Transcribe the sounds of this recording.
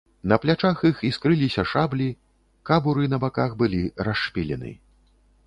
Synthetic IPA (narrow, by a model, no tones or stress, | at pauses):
nɐplʲat͡ʂaxixiskɾɨlʲisʲɐʂablʲi | kabuɾɨnɐbakaxbɨlʲiɾaʂpʲilʲɛ̰nɨ̰